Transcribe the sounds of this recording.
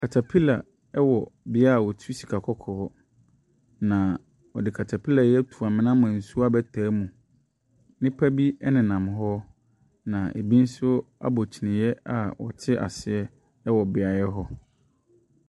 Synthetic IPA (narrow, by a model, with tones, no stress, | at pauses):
kʰa˨tʰa˨pʰi˦la̰˨ | ɛ˦wɔ˨bɪ˦a˦˨wɔ˨tʰu˦si̥˨kʰa˨kʰɔ˦kʰɔː˨˦ | nã˨ | ɔ˨dɪ˨kʰa˨tʰa˨pʰi˦la˨jɛ˦tʰu˨a˨mɪ̃˦nã˦mã˨n̩˨su˦a˦bɛ˦tʰaː˨˦mũ˨ | nɪ̃˦pʰæ˦bi˦ɛ˦nɪ̃˨nã˨m˨ɦɔ˦ | nã˨ʔḛ˨bi˦n̩˦sʊ˦a̰˦bo˨t͡ɕʰi˨nɪ̃˨jɛ˦a˨wɔ̰˨t͡ɕʰɪ˦ʔa̰˨sɪ˨ɛ˦ | ɛ˦wɔ˨bɪ˨a˨jɛ˦ɦɔ˦